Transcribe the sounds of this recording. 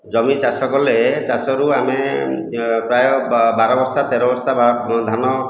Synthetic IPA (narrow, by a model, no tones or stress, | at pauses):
d͡ʒɔmit͡ʃasɔkɔlet͡ʃasɔɾuame | pɾajɔbaɾɔbɔst̪ʰat̪eɾɔbɔst̪ʰabad̪ʱanɔ